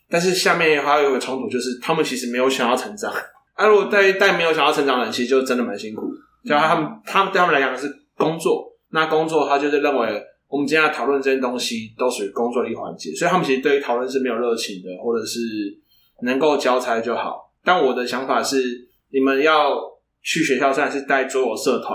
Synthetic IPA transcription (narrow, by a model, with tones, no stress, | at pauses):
t̪a˥˧nʂ̬ɻ̩˥˧ɕja˥˧mjɛ˥˨n˨˩xwa˥˧jɡə˩ɔ˧˥ŋt̪ʰu˨˩t͡ɕjo˥˧ʊʂ̬ɻ̩˥˩t̪ʰa˦˥mə˨t͡ɕʰi˧˥ʂɻ̩˧˥me˧˥ɪjo˧ʊɕa˨˩ŋjɑ˥˩ʊʈ͡ʂʰə˧˥ŋʈ͡ʂɑ˨˩ŋ | a˥˩ɻu˦˥ɡɔ˨˩t̪a˥ɪt̪a˥˩ɪ˨˩me˧˥jo˧˥ɕjjɑ˥˩˧ŋʈ͡ʂɑ˨˩ŋə˧nt͡ɕʰi˧˥ʂ̩˧t͡ɕo˥˧ʊ˧ə˦˥nd̪ə˨ma˧˦nɕi˦ŋkʰũ˨˩˦ | a˥t̪ʰa˥mə˨nt̪ʰa˥mə˨t̪ʰa˥ə˨la˧˥jɑ˨ŋ˥˩ʂ̩ɻ | kʊ˦ŋt͡swɔ˥˨ | na˥˨kʊ˦ŋt͡swɔ˥˨t̪ʰa˥t͡ɕjo˥˧ʊʂwe˥˧ɻə˥˩nwe˧˦ɪ | wɔ˨˩mə˨nt͡ɕːt̪ʰɑ˨˩ʊlwə˥˨nt͡sɤ˥˩t͡ɕjɛ˥nt̪o˥ŋɕi˦t̪o˥ʊʂɻ̩˥˩kʊ˥ŋt͡swɔ˥˧ə˨i˥˩˨xwa̰˧˦nt͡ɕjɛ̰˨˦swi˨t̪ʰa˥mə˨t͡ɕʰi˧˥ʂ̩˧t̪we˥˩i˥tʰɑ˨˩lwə˥˧nʂɻ̩˥˩me˧˥jo˨˩lɻɤ˥˩t͡ɕʰi˨˦ŋd̪ə˨xwɔ˥˩ʈ͡ʂɤ˨˩ʂɻ̩˥˩ | nə˧˦ŋko˥˧ʊt͡ɕjɑ˥ʊt͡sʰa˧˥ɪ˧t͡ɕjo˥˩ʊxɑ̰˨˩˦ʊt̪a˥˩nwɔ˨˩d̪ə˨ɕjɑ˧˥ŋfa˨˩ʂɻ̩˥˩ | ni˨˩mə˨njɑ˥˧ʊʊ | t͡ɕʰy˥˩ɕɥɛ˧˥ɕjɑ˥˧ʊse˥˩a˧nʂɻ̩˥˧t̪a˥˩ɪt͡swɔ˥jɔ˨˩sɤ˥˧t̪ʰwa̰˨˦n